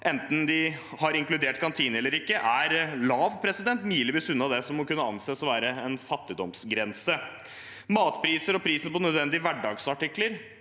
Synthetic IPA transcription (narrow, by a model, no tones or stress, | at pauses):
ʔɛnt̪n̩d̪ɪ | hɑɾɪŋklʉd̪eːʈkʰɑnt̪ʰiːnɛlːəɾɪkːəʔæɾlɑːʋpʰɾɛsɪd̪ɛnt̪myːələʋiːsʉnːɑd̪ɛsɔmːɔkʉnːəɑ̰nseːsɔʋæːɾəɛnfɑt̪ːɪd̪ɔmsɡɾɛnsə | mɑːt̪pʰɾiːsəɾɔpʰɾiːsəpɔnœd̪ʋɛnd̪ɪʋæɖɑːɡsɑʈɪkːləɾ